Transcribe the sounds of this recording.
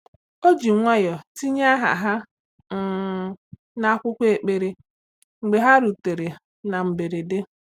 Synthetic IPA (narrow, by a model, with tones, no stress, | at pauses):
o˦d͡ʒi˨ŋʷa˦jɔ˨ti˦ɲa˦a˦ɦa̰˨ɦa˦ | ŋ̩˨ | na˦kʷʊ˦kʷe˨k͡pe˨ɾe˨ | ŋ͡m̩˨ɡ͡be˨ɦa˦ɾu˨te˨ɾe˨ | na˨m̩˨be˨ɾe˨de˦